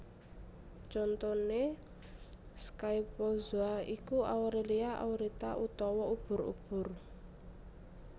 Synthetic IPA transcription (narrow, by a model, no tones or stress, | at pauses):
t͡ʃɔnt̪ɔne | skajpozoaikuawɾeliaʔa̰wɾit̪aʔut̪ɔwɔub̥ʊ̤ɾṵb̥ʊ̤r